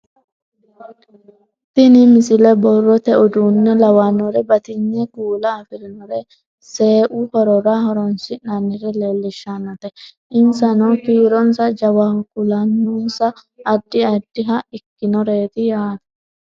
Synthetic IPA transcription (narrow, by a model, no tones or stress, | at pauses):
t̪ɪnɪmɪsɪlɛbɔrːɔt̪ɛʔʊd̪uːnːɛlɐwanːɔɾɛbɐt̪ɪɲːɛkuːlɐːfɪɾɪnɔɾɛ | se̞ːʔʊhɔɾɔɾahɔɾɔnsɪɐnːɪɾɛle̞ːlːɪʃːanɐt̪ɛ | ɪnsɐnoːkiːɾɔnsɐd͡ʒɐwakʊlɐnːunsɐː | d̪ːɪɐd̪ːɪɦɐɪkːɪnɔɾeːt̪ɪjaːt̪ɐ̥